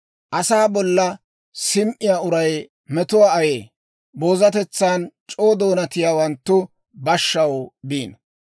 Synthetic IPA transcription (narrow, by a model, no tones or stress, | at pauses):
ʔɐsaːbɔlːɐ | sɪmʔɪjaːʊɾɐj | mɛt̪ʊwaːɐjeː | bo̞ːzɐt̪ɛt͡sːaːnt͡ʃʼo̞ːd̪o̞ːnɐt̪ɪjaːwɐnt̪ːʊ | bɐʃːɐwbiːn